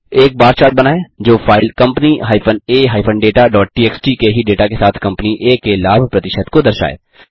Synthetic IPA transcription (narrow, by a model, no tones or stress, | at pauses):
eːk̚baːɾt͡ʃaːt̪̚bɐnaːed͡ʒoːfʰaːɪlkɐ̃mpniɦaːipʰəneːɦaːɪpʰənɖeːʈaɖɔːʈ̚ʈiːeːksʈikeɦiɖeːʈakesaːt̪ʰkɐ̃mpniʔeːkelaːbʱpɾɐt̪ɪʃət̪kod̪ɐɾʃa̰ːḛː